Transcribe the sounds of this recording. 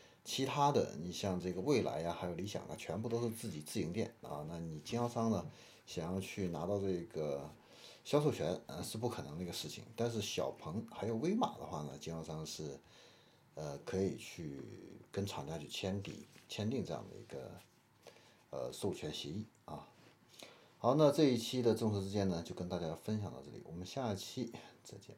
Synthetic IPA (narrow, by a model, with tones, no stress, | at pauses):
t͡ɕʰi˧˥t̪ʰa˥d̪ə̰˨ni˨˩ɕjɑ˥˧ŋʈ͡ʂɤ˥˩ɡə˩we˥˩ɪla̰˧˥ɪɐ˧xa˧˥ɪjo˨˩li˧˥ɕjɑ̰˨˩ŋɐ̰˦t͡ɕʰɥɛ˧˥npu˥˧˩t̪o˥ʂɻ̩˥˧t͡sɹ̩˥˩t͡ɕi˨˩t͡sɹ̩˥˩i˧˥ŋt̪jɛ̰˨˩˦nɐ̰˧na˥˩ni˨˩t͡ɕi˥ŋxɑ˥˩ʊʂɑ˥ŋnə˨ | ɕjɑ˨˩ŋjɑ˥˧ʊt͡ɕʰy˥˩na˧˥t̪ɑ˥˧ʊʈ͡ʂɤ˥˩ɡə˩ | ɕjɑ˥ʂ̬o˥˩ʊt͡ɕʰɥɛ˧˥nə̰˧ʂɻ̩˥˧p̬u˥˩kʰnɤ˧˥ŋd̪ə˧i˧˥ə˧ʂɻ̩˥˩t͡ɕʰḭ˨˩ŋt̪a˥˧nʂɻ̩˥˩ɕjɑ˨˩ʊpʰɤ˧˥ŋxa˧˥ɪjo˨˩ʊwe˥ɪma̰˨˩d̪ə̰˦xwa̰˥˩nə̰˩t͡ɕi˥ŋɑ˥˧ʂɑ˥ŋʂɻ̩˥˩ | ə˧kʰɤ˧˥i˨˩t͡ɕʰy˥˩kə˥nʈ͡ʂʰɑ˨˩ŋt͡ɕa˥t͡ɕʰy˥˩t͡ɕʰjɛ˥nt̪ḭ˨˧˩t͡ɕʰjɛ˥nt̪i˥˧ŋʈ͡ʂɤ˥˧jɑ̰˥˩ŋd̪ə̰˩ḭ˧˥ɡə̰˧ | ə̰˧so˥˩ʊt͡ɕʰɥɛ˧˥nɕjɛ˧˥i˥˩ | ɐ̰˧˩ | xɑ˧˥ʊna˥˧ʈ͡ʂɤ˥˧i˥˩t͡ɕʰi˥d̪ə˨ʈ͡ʂo˥˩ŋʂ̩˧˥ʈ͡ʂɻ̩˥t͡ɕjɛ˥nə˨t͡ɕjo˥˧ʊkə˥nt̪a˥˩t͡ɕja˥fə˥nɕjɑ˨˩ŋt̪ɑ̰˥˧ʈ͡ʂɤ˥˩lḭ˨˩wɔ̰˨˩mə˦nɕja˥˧˥t͡ɕʰi˥t͡sa˥˩ɪt͡ɕjɛ̰˥˩